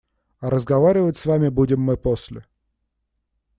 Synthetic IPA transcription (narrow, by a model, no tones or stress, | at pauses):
ɐɾəzɡɐvaɾʲɪvətʲsvamʲɪbudʲɪmːɨposʲlʲɪ̰